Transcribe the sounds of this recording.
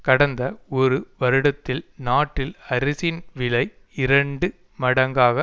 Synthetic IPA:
kɐɽɐnd̪ɐɔɾɯʋɐɾɯɽɐt̪ːɪlnaːʈːɪlɐɾɪsɪnʋɪɭɐɪ | ɪɾɐɳɖɯ | mɐɽɐŋɡaːɣɐ

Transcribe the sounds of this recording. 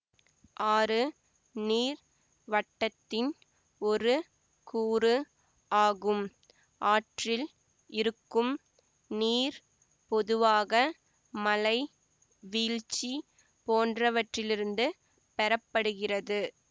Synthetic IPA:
ʔaːɾɯ | niːɾ | ʋɐtʈːɐt̪ːɪn | ɔɾɯ | kuːɾɯ | aːɣɯm | ʔaːʈrɪl | ɪɾɯkːɯm | niːɾ | pɔðɯʋaːɣɐ | mɐlɐɪ | ʋiːɻt͡ʃːi | poːndrɐʋɐʈrɪlɪɾɯnd̪ɯ | pɛɾɐpːɐɽɯɣɪrɐðɯ

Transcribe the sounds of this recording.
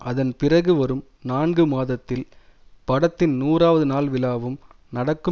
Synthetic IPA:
ʔɐðɐnpɪrɐɣɯʋɐɾɯm | naːnɡɯmaːðɐt̪ːɪl | pɐɽɐt̪ːɪnnuːraːʋɐðɯnaːlʋɪlaːʋɯm | nɐɽɐkːɯ

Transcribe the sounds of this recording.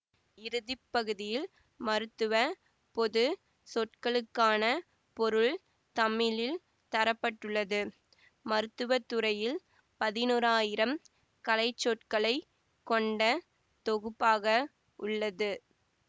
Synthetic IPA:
ɪɾɯðɪpːɐɣɯðɪjɪl | mɐɾɯt̪ːɯʋɐ | pɔðɯ | sɔʈ̚kɐɭɯkːaːnɐ | pɔɾɯɭ | t̪ɐmːɪlɪl | t̪ɐɾɐpːɐʈːɯɭːɐðɯ | mɐɾɯt̪ːɯʋɐt̪ːɯɾɐjɪl | pɐðɪnuːɾaːjɪɾɐm | kɐlɐɪt͡ʃːɔʈkɐɭɐɪ | kːɔɳɖɐ | t̪ɔɣɯpːaːɣɐ | ʔʊɭːɐðɯ

